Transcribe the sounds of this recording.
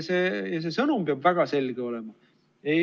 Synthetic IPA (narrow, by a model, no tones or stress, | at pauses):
seːjɑs̬e̞sɤnumpeɑb̥væɡ̥ɑse̞lɡ̥io̞le̞mɑ | e